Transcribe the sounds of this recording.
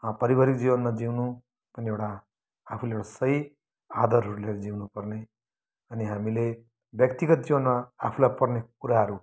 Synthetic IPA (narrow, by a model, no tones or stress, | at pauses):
pʌɾibaɾik̚d͡ziwʌnmad͡ziwnu | pʌniewʈaː | pʰulewʈasʌi | ad̪ʌɾɦʌɾuleɾid͡ziwnupʌrne | ʌniɦamile | bjʌkt̪iɡʌt̪̚d͡zibʌnmaːpʰulajpʌrnekuɾaɦʌɾu